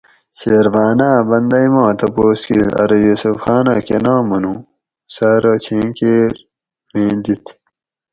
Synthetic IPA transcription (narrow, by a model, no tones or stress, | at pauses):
ɕeːɾvaːnaːbɐnd̪ɐjmãːt̪ɐpoːskilɐ̰ɾɐjusɐfxaːna̰ːkenãːmɐnũ | sɐɾɐt͡ɕʰẽːkeɾ | mẽːd̪it̪